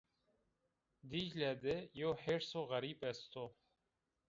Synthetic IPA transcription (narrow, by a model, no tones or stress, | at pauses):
d̪iʒlæd̪ejoħeɾsoɣaɾiːpɛst̪o